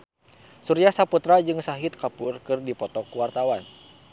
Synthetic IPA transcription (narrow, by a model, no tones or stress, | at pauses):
suɾiahsaput̪ɾad͡ʒɨŋsaɦɪt̪̚kapurkɨrdipɔt̪ɔkuwart̪awan